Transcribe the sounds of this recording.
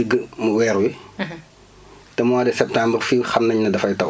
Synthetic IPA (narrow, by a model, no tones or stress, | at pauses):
əɡːəmuwɛːɾuwi | tɛmɔadɛsɛp̚tãːmbrfixɐmnɐɲnɐdɐfɐjtɐw